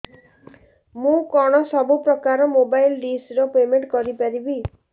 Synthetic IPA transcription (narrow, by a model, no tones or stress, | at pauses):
mũkɔɽ̃ɔsɔbupɾɔkaɾɔmobajlɖisɾɔpemeɳʈkɔɾipaɾibi